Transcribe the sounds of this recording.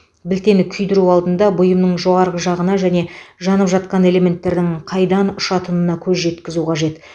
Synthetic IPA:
bɪlt̪e̞nɪkʲʰʏjd̪ɪɾuɑlˠd̪ənd̪ɑbʊjəmnəɴʒo̞ʁɑɾʁəʒɑʁənɑʒæne̞ʒɑnəpʒɑt̪̚qɑne̞le̞me̞nt̪ːe̞ɾd̪ɪŋqʰɑjd̪ɑnʊʃɑt̪ʰənənɑkʲʰɵzʒe̞t̪kʲɪzuqʰɑʒe̞t̪

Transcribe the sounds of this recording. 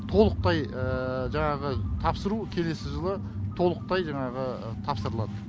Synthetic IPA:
t̪ʰo̞lˠəq̚t̪ɑjəʒɑɴɑʁət̪ʰɑpsəɾukʲʰe̞le̞sɪʒəlˠə | t̪ʰo̞lˠəq̚t̪ɑjʒɑɴɑʁə | t̪ʰɑpsəɾəlˠɑd̪ə

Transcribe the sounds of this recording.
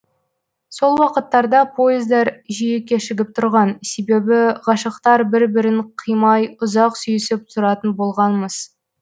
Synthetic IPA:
so̞lˠwɑqət̪ːɑɾd̪ɑpʰo̞jɪzd̪ɑɾʒijekʲːe̞ʃɪɡʲɪp̚t̪ʰʊɾʁɑnse̞be̞bɪʁɑʃɑqt̪ɑɾbɪɾbɪɾɪɴqʰəjmɑjʊzɑqsyjɪsɪp̚t̪ʰʊɾɑt̪ənbolˠʁɑnməz̥

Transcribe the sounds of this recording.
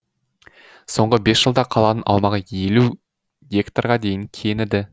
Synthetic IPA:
so̞ɴʁəbe̞sʒ̥əlˠd̪ɑqʰɑlˠɑd̪ənʔɑ̰wmɑʁəjelu | ɡʲe̞kt̪arʁɑd̪e̞jɪŋkʲʰenɪd̪ɪ

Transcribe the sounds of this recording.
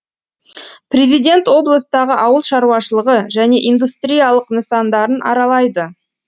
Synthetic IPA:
pɾʲe̞zijd̪ʲe̞nt̪wo̞blˠəsd̪ɑʁəʔɑwəlˠʃɑɾuɑʃəlˠəʁəʒæne̞ʔind̪ust̪rʲijɑlˠəqnəsɑnd̪ɑɾənʔɑ̰ɾɑlˠɑjd̪ə

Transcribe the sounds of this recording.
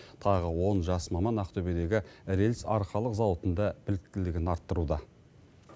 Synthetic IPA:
t̪ʰɑʁəwo̞nʒɑsmɑmɑnæqt̪ʰɵbe̞d̪e̞ɡʲɪɾelsɑɾqɑlˠəqzɑwət̪ənd̪ɑbɪlɪk̚t̪ɪlɪɡʲɪnɑɾt̪ːəɾud̪ɑ

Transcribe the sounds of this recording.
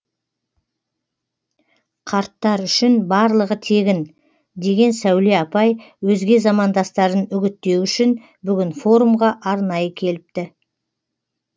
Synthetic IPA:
qʰɑɾt̪ːɑɾʏʃɪnbɑɾlˠəʁət̪ʰe̞ɡʲɪn | d̪e̞ɡʲe̞nsæwle̞ɑpɑjwɵzɡʲe̞zɑmɑnd̪ɑst̪ɑɾənʏɡʲɪt̪ːe̞wʏʃɪn | bʏɡʲɪnfo̞ɾumʁɑʔɑɾnɑjəkʲʰe̞lɪp̚t̪ɪ

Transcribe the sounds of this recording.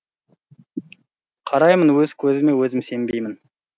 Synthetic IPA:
qʰɑɾɑjmənwɵz̥kʲʰɵzɪme̞wɵzɪmse̞mbe̞jmɪn

